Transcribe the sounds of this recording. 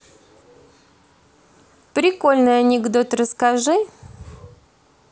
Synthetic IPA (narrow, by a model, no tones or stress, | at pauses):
pɾʲɪko̞lʲnɨjanʲɪɡd̪ot̪rəskaʐɨ